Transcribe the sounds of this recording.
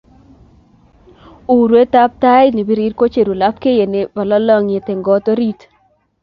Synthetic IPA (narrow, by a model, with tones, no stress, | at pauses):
u˨ɾwe˦ta˦p̚ta˦jni˨bi˦ɾi˦ɾko˦t͡ʃe˨ɾu˨la˦p̚ke˦je˨nɪ˨bɔ˨lɔ˦lɔ˦ŋɪ˨tɪ˨ŋɡɔ˦to˦ɾi˦t